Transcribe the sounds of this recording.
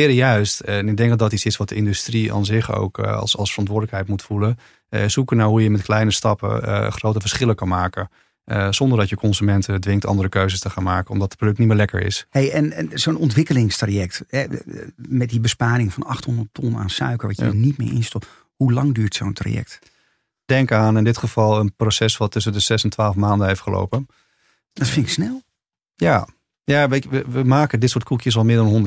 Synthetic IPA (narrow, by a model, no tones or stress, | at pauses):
ɪːɾəjœɥstɛnɪɡ̚dɛŋɡdɔtitsɪsʋɑt̚dəɪndystria̰ːnzɪχo̰wksɑ̰lˠsfərɑntʋʊːɹdələkɦɛjtmutfulə | sukənaɦujəmɛtklɛjnəstɑpə̰χrowtəvəɹsχɪləkɑnmaːkə | z̥ɔndəɹdɑtjəkɔnzymɛntədʋɪŋk̚tɑ̰ndəɾəkøɥzəstəχaːnmaːkənɔ̰mdɑtə̥t̚prodɵk̚nimɪːɹlɛkə̰ɹɪ̰sɦejɛnɛnzownɔntʋɪkəlɪŋstrajɛk̚tɦɛ | mɛt̚dibəspaːɾɪŋfɑnɑχthɔndəɹttɔna̰ːnsœ̰ɥkəɹʋɑjə̰nitmɪ̰ːɹʔɪ̰nstɔp | hulɑŋdyːɹtsowntra̰jɛ̰k̚t | d̥ɛŋkaːnɪndɪtχəv̥ɑlˠənprosɛsʋɑtːɵsəndəzɛsəntʋaːlˠfmaːndənɦeftχəlo̰wpən | d̥ɑtfɪŋksnɛlˠ | jaː | jaːʋeəʋəʋəmaːkədɪtsʊːɹt̚kʰukjəs̬ɑlˠmɪːɹdɑnɦɔndə